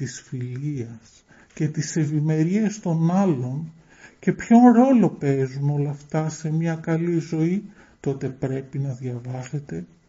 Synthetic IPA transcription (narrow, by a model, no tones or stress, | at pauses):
t̪isfiliɐs | ce̞t̪ise̞vime̞ɾiest̪o̞nɐlo̞n | ce̞pço̞nɾo̞lo̞pe̞zuno̞lɐft̪ɐse̞mɲɐkɐlizo̞i | t̪o̞t̪e̞pɾe̞pinɐðʝɐvɐse̞t̪e̞